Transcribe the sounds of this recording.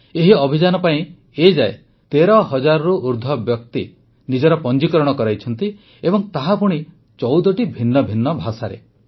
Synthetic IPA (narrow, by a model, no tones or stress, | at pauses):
eɦiɔbʱid͡ʒanɔpaĩ | ed͡ʒae | t̪eɾɔɦɔd͡ʒaɾɔɾuʔuɾd̪ʱɔbjɔk̚t̪i | nid͡ʒɔɾɔpɔnd͡ʒikɔɾɔɽ̃ɔkɔɾajt͡ʃʰɔn̪t̪i | ebɔŋt̪aɦapuɽ̃i | t͡ʃɔwd̪ɔʈibʱinːɔbʱinːɔbʱasaɾḛ